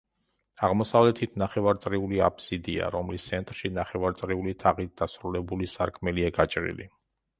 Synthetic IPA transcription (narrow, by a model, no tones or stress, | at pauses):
aʁmɔsavlɛt̪ʰit̪ʰnaχɛvaɾt̪sʼɾiulia̰pʰsid̪ia̰ɾɔmlist̪sʰɛnt̪ʼɾʃinaχɛvaɾt̪sʼɾiulit̪ʰaʁit̪̚d̪̥asɾulɛbulisaɾkʰmɛliaɡat͡ʃʼɾḭlḭ